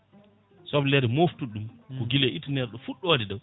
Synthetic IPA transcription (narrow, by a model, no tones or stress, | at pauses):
sɔblɛɾɛmoftuɗumkɔɡilɛʔitnɛɾɗɔfuɗːɔwadidaw